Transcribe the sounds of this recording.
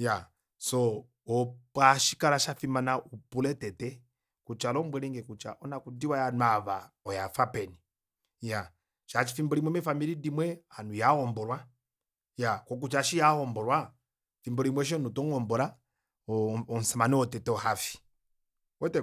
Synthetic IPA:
ja | sɔ | ɔpaʃi̥kaɾaʃafimanaʔupulɛtɛtɛ | kut͡ʃalɔmbwɛɾiŋɡɛkut͡ʃa̰ʔɔnakudiwajanuaβaɔjafapɛni | ja | ʃat͡ʃi̥fimbɔɾimwɛmɛfamiɾidimwɛanujahɔmbɔɾwa | jakɔk̬ut͡ʃaʃijahɔmbɔɾwa | fimbɔlimwɛʃ̬ɔnutɔŋɔmbɔɾa | ɔn̩samanɛɔtɛtɛɔhafi̥ | wɛtɛ

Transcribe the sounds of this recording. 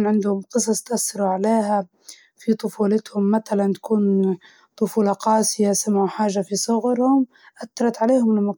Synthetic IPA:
nʕɪnd̪hʊmqɨsˤɑsˤt̪ʔasːɑɾuʕaleːɦa | fit̪ˤʊfuːlɪt̪hʊmːaθalant̪ḁkuːn | t̪ˤʊfuːlɑqɑːsɪjasamːʕuħaːʒːafisˤʊɣɾhʊm | ʔat̪ːɑɾˤɑt̪ʕaleːhʊmmɑ

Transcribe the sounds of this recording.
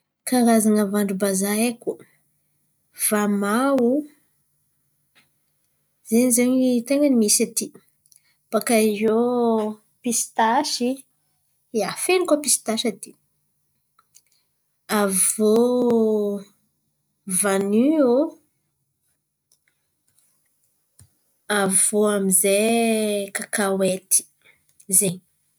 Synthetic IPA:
kaɾazaŋəvaɳɖ͡ʐubazaeku | v̥amau | zenizeɲit̪eŋənimisat̪i | pakaizo | pist̪aʃi | afenikopist̪aʃat̪i̥ | avo | vanyo | avoamize | kakawet̪i̥ | zeɲ

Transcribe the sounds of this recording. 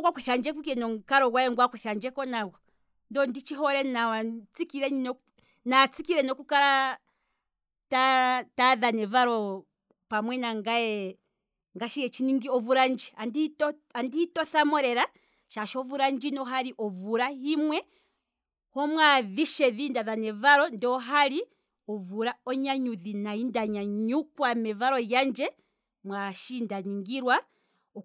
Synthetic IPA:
ɡwakuθand͡ʒɛkukɛnɔŋkaɾɔɡwajɛŋɡwakuθand͡ʒɛkɔnaɣɔ | ndɔndit͡ʃiɦɔɾɛnawat͡sikiɾɛɲinɔ | nat͡sikiɾɛnɔkukaɾa | tataðanɛvaɾɔ | pamwɛnaŋɡajɛ | ŋɡaʃijɛt͡ʃiniŋɡiɔvuɾand͡ʒianditɔ | andihitɔθamɔɾɛɾa | ʃaʃɔvuɾaɲd͡ʒinɔɦaɾiʔɔvuɾahimwɛ | hɔmwaðiʃɛðindaðanɛvaɾɔndɔɦaɾi | ɔvuɾaɔɲaɲuðinaindaɲaɲukwamɛvaɾɔjand͡ʒɛ | mwaʃindaniŋɡiɾwa

